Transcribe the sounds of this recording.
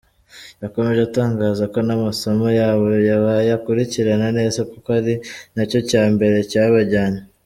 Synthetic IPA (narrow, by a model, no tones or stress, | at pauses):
jako̞me̞ʒe̞utaːŋɡaːzako̞namaso̞mo̞jaːβo̞jaβajakuɾiciɾanane̞ːzakukohaɾinaco̞caːmbe̞ɾe̞caβaɟaːna